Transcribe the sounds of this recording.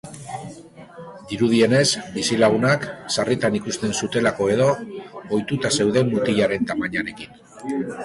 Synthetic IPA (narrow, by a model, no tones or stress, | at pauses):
d̪iɾuðie̞ne̞sbisilaɣ̞unaksarit̪anikust̪e̞nsut̪e̞lako̞e̞ðo̞ojt̪ut̪ase̞wðe̞mːut̪iʎaɾe̞nt̪amaɲaɾe̞kin